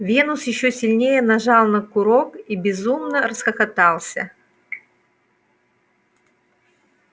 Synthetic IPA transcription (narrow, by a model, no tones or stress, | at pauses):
vʲe̞nʊsjɪɕːosʲɪlʲnʲejənɐʐɑlˠnəkʊɾokibʲɪzumnərəsxəxɐt̪ɑlˠsʲə